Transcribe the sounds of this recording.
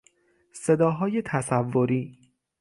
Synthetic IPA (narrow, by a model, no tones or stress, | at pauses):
se̞d̪ɒːɦɒːje̞t̪ʰæsævːoɾiː